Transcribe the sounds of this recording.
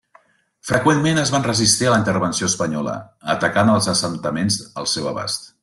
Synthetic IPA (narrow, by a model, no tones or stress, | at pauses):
fɾəkwenmenəzβanrəzist̪iələint̪əɾβənsioəspəɲɔlə̰ət̪əkanəlˠzəsənt̪əmenzə̰lˠsɛwə̰βa̰st̪